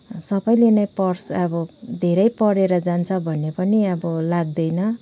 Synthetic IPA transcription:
sʌbʌjlenʌjpʌrsʌbʌd̪ʱeɾʌjpʌɾeɾʌd͡zant͡sʰʌbʱʌnːepʌniʌbʌlaɡ̚d̪ʌjnʌ

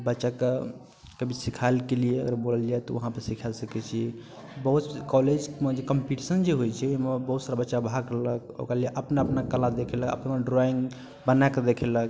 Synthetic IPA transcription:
bətːʃake | kəbʱisikʰalkelieəɡəɾboləld͡ʒaɛt̪ɔʋəɦãpəɾsikʰalsəkɛt͡ʃʰi | bəɦut̪kɔled͡ʒmd͡ʒekəmpiʈisənd͡ʒeɦojt͡ʃʰɛeɦmebəɦut̪saɾabətːʃabʱakləko̰kɾalieʔəpnaəpnakəlad̪ekʰɛləkə̰pnmeɖɾɔiŋɡ | bənaeked̪ekʰelək

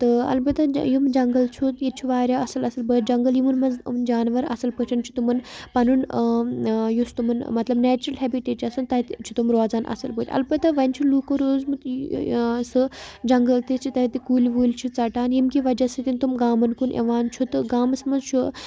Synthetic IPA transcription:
t̪ɨɐ̰lbɐt̪ːɐjumd͡ʒɐŋɡɐlt͡ʃʰut̪jit͡ʃʰuʋaːɾʲjaɐsɐlɐsɐlbəd͡ʒɐŋɡɐljimunmɐnznd͡ʒaːnʋɐɾɐ̰sɐlpət͡ʃʰɐnt͡ʃʰu̥t̪umɐnpɐnun | just̪umɐnmɐt̪lɐbnɛːt͡ʃɾɐlɦɛːbiʈeːd͡ʒɐsɨnt̪ɐt̪t͡ʃʰu̥t̪umɾoːzaːnʔɐ̰sɐlbəɾʲɐ̰lbɐt̪ːɐʋɐnt͡ʃʰuluːkoɾoːzmɨ | sɨd͡ʒɐŋɡɐlt̪it͡ʃʰit̪ɐt̪ikuːlʲʋuːlʲt͡ʃʰut͡sɐʈaːnjimkiʋɐd͡ʒasɨt̪int̪umɡaːmɐnkunʔḛʋaːnt͡ʃʰut̪ɨɡaːmɐsmɐnzt͡ʃʰu

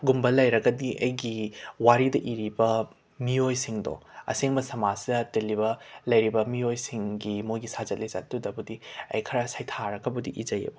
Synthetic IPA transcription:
ɡumbɐlɐjɾɐɡɐdiʔɐjɡiwaɾidɐʔiɾibɐ | miojsiŋdo̰ɐ̰seŋbɐsɐmazdɐtelibɐlɐjɾibɐmiojsiŋɡimojɡisazɐt̚lɐjza̰t̚ːdudɐbudiɐ̰jkʰɐɾasajtʰaɾɐɡɐbudiʔid͡ʒɐjɐ̰bu

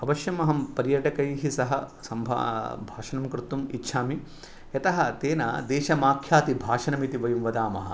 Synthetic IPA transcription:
ɐbɐʃjɐmɐɦɐmpɐɾjɐʈɐkɐjɦisɐɦɐsɐmbʱa̰bʱaːʃɐnɐmkɾɪt̪ːumitːʃʰaːmi | jɐt̪ɐɦɐ̆t̪eːnɐ̰d̪eːʃɐmaːkʰjaːt̪ibʱaːʃɐnɐmit̪iʋɐjumʋɐd̪aːmɐɦɐ̰̆

